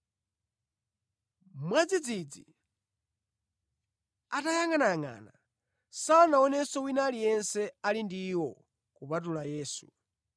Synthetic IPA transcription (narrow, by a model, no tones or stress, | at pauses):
mwad͡zid͡zid͡zi | atajaŋanaŋa̰na | sawanaɔnɛsɔwinalijɛnsɛalindiwɔ | kupatulajɛːsṵ